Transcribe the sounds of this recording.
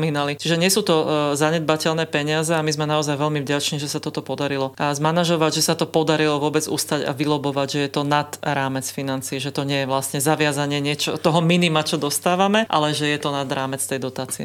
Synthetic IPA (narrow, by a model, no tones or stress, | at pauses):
miːnalit͡ʃiʒɛɲɪɛsuːt̪ɔzaɲɛd̪̚bacɛlnɛːpɛɲɪazɛamizmɛnaɔzajʋɛʎmivɟat͡ʃniʒɛsat̪ɔt̪ɔpɔd̪aɾilɔzmanaʒɔʋaɟʒɛsat̪ɔpɔd̪aɾilɔʋʊɔbɛd͡zṵst̪aɟa̰ʋilɔbɔʋaɟʒɛjɛt̪ɔnad̪̥ɾaːmɛt͡sfinant͡siːʒɛt̪ɔɲɪɛjɛʋlasɲɛzaʋɪazaɲɪɛɲɪɛt͡ʃɔt̪ɔɦɔminimat͡ʃɔd̪ɔst̪aːʋamɛʔa̰lɛʒɛjɛt̪ɔnad̪ɾaːmɛt͡st̪ɛjd̪ɔt̪aːt͡siɛ̰